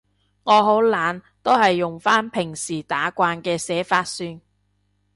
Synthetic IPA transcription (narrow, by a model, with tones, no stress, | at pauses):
ŋɔː˨˧ɦo˨˥wlaː˨˧n | t̪o˥whɐ˨jːʊ˨˩ŋfaː˥npʰɪ˨˩ŋsiː˨˩t̪aː˨˥kʷaː˧nkɛː˧sɛː˨˥faː˧t̚syː˧n